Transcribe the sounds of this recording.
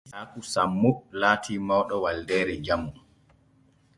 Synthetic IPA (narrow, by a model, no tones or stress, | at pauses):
akusamːulaːtʰiːmɔwɗɔwaldɛːɾɛd͡ʒamːum